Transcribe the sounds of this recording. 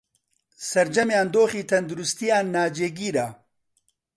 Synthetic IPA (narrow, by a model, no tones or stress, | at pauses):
sɐɾd͡ʒɐmjaːnd̪oːxiːt̪ʰɐnd̪uɾust̪ijaːnːaːd͡ʒeːɡiːɾaː